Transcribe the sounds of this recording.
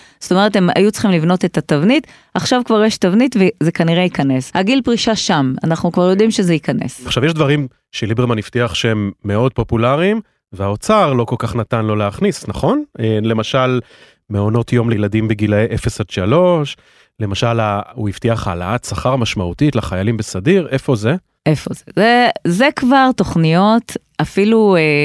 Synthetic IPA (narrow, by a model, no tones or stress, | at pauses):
z̥o̥t̪o̞me̞etema̰jut͡sχimlivno̞t̪et̪atavnit | aχʃavkvaʁjɛʃtavnitvezekaniʁeikane̞shaɡilpʁiʃaʃama̰naχnukvaʁjo̞d̪imʃezeikanḛsaχʃavjɛʃd̪vaʁim | ʃelibemaniftiaχʃehemːe̞o̞d̚po̞pulaʁim | veao̞t͡saʁlo̞kolkaχnatanlo̞leaχnisnaχo̞nele̞maʃal | meo̞no̞tjo̞mlejladimbeɡilaeʔefesatʃalo̞ʃ | le̞maʃalauiftiaχaːla̰at̪saχaʁmaʃmautitlaχajalimbesadiʁʔe̞fo̞ze | ʔefo̞̰zezezekvaʁto̞χnijo̞t | afilue